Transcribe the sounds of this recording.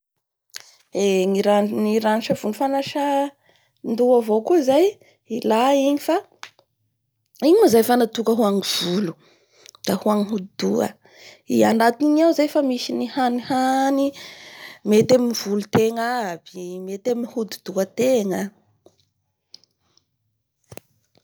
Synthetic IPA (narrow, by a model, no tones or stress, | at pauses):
eŋiɾaniɾaniʃəv̥unifanaʃə | nd̪uavokuizaj | ilaiɲifa | iɲimazajfanat̪ukəɦuaŋiv̥ulu̥ | d̪̥ahuaŋiɦud̪id̪uə̰ | iaɳɖ͡ʐat̪iiɲawzajfamisinihanihani | met̪aminv̥ulut̪eŋabimet̪amihud̪ud̪̥uət̪eŋə